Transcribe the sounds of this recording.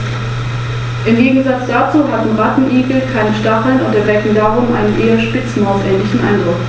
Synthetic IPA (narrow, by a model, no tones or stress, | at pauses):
ʔɪmɡeːɡŋ̩zat͡sd̥aːt͡suːɦatm̩ʁatn̩ʔiːɡl̩kʰaɪnəʃtaχl̩nʊntɛɐvɛkŋ̩daːʁʊmʔa̰ɪnənʔeːɐʃpɪt͡smaʊsʔɛːnlɪçn̩ʔa̰ɪndʁʊk